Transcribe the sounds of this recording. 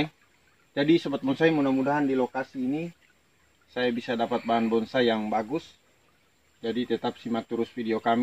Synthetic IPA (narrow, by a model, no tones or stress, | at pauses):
d͡ʒadisəbat̪̚bɔnsaimunamudaɦandilokasiːni | sajabisadapat̪̚baɦanbɔnsajaŋbaɡus | d͡ʒadit̪ɛt̪ap̚simat̪uɾʊsfidiokam